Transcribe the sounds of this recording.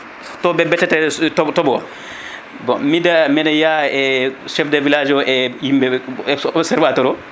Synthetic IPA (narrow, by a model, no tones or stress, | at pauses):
tɔbɛbɛtɛtɛtɔtɔbɔw̰ | bɔ̰midamɛnɛjaɛʃɛfdɛvilad͡ʒɔʔɛjimbɛɛɔsɛɾvatɔɾɔ